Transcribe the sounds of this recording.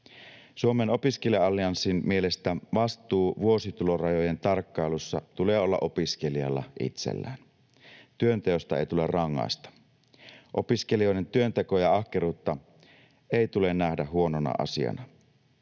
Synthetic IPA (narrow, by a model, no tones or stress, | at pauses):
suomeno̞piskelijɑɑlːiɑnsinmielest̪æʋɑst̪ˑuːʋuo̞sit̪ulorɑjoje̞nt̪ɑrkːɑjlusːɑt̪uleːo̞lːɑ̰ʔopiskeliɑ̰lːɑ̰ʔḭt̪sḛlːæ̰ːn | t̪yønt̪eost̪ɑejt̪ulḛrrɑŋːɑ̰ist̪ɑ̥ | ʔo̞piskelio̞jdent̪yønt̪ekojɑɑhkeɾuːt̪ːɑ | eˑit̪ulennæhdæɦuo̞nonɑ̰ʔɑ̰sḭɑ̰nɑ